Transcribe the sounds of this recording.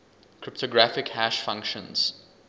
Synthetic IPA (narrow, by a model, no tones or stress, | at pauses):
kʰɹɪp̚tʰɔɡɹæfɪkhæʃfʌ̃ŋkʃə̃nz̥